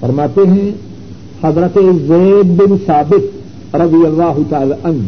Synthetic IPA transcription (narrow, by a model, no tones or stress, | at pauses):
fɐɾmaːt̪eɦɛ̃ | hɐzɾət̪ezɛːd̪̚bɪnsaːbɪt̪̚ | ɾɐd̪ijɐlːaːɦʊt̪aːlaːʔɐn